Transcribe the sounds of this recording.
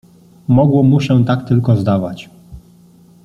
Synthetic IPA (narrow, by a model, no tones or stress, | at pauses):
mɔɡwɔmuɕɛt̪akt̪ɘlkɔzd̪avat͡ɕ